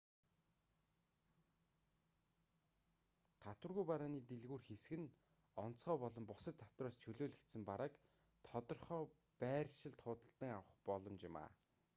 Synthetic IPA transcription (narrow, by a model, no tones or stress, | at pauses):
t̪ʰat̪wə̆rɣujpaɾaːniːt̪eɮɣuːrxes̆ɣɘ̆n | ɔn̥t͡sχɔːpɔɮɞ̆mpʊsə̆t̪ʰːḁt̪wraːst͡ɕʰɵɮoːɮɘxkt̪sɘ̆mpaɾaːk | t̪ʰɔt̪ɞ̆rχɔː | pæːrʲʃɪ̆ɮt̪χʊːt̪ə̆ɬt̪ə̆ŋawə̆χpɔɮɞ̆mt͡ɕɪma̰ː